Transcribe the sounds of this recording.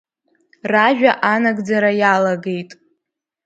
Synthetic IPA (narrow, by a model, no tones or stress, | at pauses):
raʒᶣaʔanaɡd͡zaɾajalaɡe̞jtʼ